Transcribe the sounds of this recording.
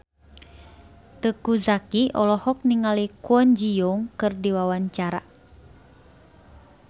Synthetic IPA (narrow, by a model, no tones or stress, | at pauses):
t̪əkuzakiɔlɔhɔk̚niŋalikuɔnd͡ʒijoŋkɨrdiwawaɲt͡ʃaɾa̰